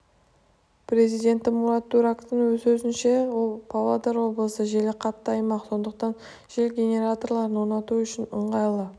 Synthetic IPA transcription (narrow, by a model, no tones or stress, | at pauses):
pɾe̞zijd̪ʲe̞nt̪ːɪmuɾat̪ːuɾakt̪əɴwɵzsɵzɪnʃe̞wo̞lˠpʰavad̪əɾwo̞blˠəsəʒelɪqʰɑt̪ːəɑjmɑqso̞nd̪əq̚t̪ɑn | ʒ̥elɡʲe̞nʲe̞ɾat̪o̞rlˠɑɾənwoɾnɑt̪uʏʃɪnəɴʁɑjlˠə